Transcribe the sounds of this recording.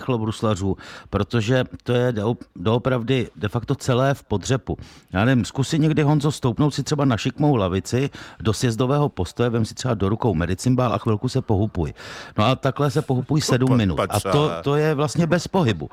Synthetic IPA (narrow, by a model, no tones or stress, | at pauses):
xlobɾuslar̝uːpɾo̞t̪o̞ʒɛt̪o̞jɛdɛodoopɾavdɪdɛfakt̪o̞t͡sɛlɛːfpo̞d̪r̝ɛpujaːnɛvɪmskusɪɲɛɡdɪɦo̞nzost̪owpnowt̪sɪt̪r̥ɛbanaʃɪkmo̞wlavɪt͡sɪdo̞sjɛzdovɛːɦo̞po̞st̪ojɛvɛmsɪ̥t̪r̥ɛbado̞ɾukowmɛdɪt͡sɪmbaːlʔa̰xvɪlkusɛpo̞ɦupujnoat̪aklɛs̬ɛpo̞ɦupujsɛdumːɪnṵt̪aʔat̪ot̪o̞jɛvlast̪ɲɛbɛspo̞ɦɪbu